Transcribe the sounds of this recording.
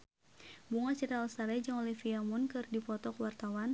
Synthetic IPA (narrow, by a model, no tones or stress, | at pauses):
buŋasiɾaɔlst̪aɾɛd͡ʒaŋɔlɛhfiamɔnkɨrdipɔt̪ɔkwart̪awan